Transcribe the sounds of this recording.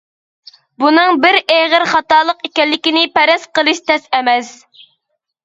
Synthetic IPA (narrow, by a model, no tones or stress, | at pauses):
bunɨŋbɪɾeʁəɾχɑt̪ɑːlˠəqekʲɛlːɪkʲinɪpɛɾɛsqəlˠɨʃt̪ʰɛsɛmɛs